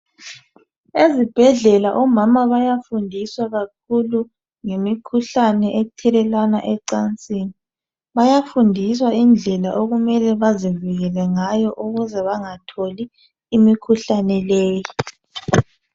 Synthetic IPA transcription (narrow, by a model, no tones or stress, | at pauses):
ezib̥ʱɛɮɛlaʔɔmamaβajafundʱiswaɣak̚ʰulu | ŋemikʰuɬanɛʔetʰɛlɛlwanaʔɛǀant͡sʼiːni | βajafundʱiswaind͡ɮʱɛlaʔoɣumɛlɛβaziviɣɛlɛŋajɔʔuɣuzɛβaŋatʰoliː | mikʰuɬanɛleːji